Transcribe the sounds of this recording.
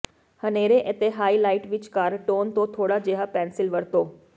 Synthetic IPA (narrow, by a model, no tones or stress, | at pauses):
hɐneːɾeʔet̪eɦaːilaːɪʈʋɪt͡ʃkaːɾʈoːnt̪õt̪ʰoːɽad͡ʒeːɦapɛːnsɪlʋɐɽt̪oː